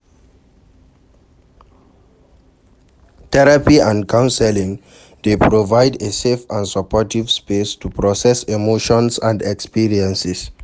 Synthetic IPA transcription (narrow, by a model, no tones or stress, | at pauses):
tʰɛɹapiãnkʰãʊ̃nsɛlĩŋ | depʰɹovaɪdesefãnsɔpɔtivspestupʰɹɔsɛsemoʃɔ̃nsãndɛkspiɹiɛ̃nsɛs